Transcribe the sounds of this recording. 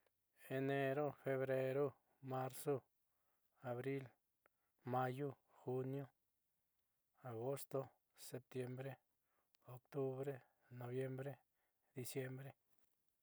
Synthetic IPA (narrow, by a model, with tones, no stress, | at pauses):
e˧ne˧ɾo˦fe˧βɾe˧ɾo˦ | ma˧ɾso˦ | a˨βɾi˦l | ma˧ju˦ | xu˦˧njo˦ | a˨ɣo˦st̪o˦ | se˧p̚t̪je˧mbɾe˦ | o˨kt̪u˦βɾe˦ | no˨˧βje˦mbɾe˦ | d̪i˧sje˦mbɾe˦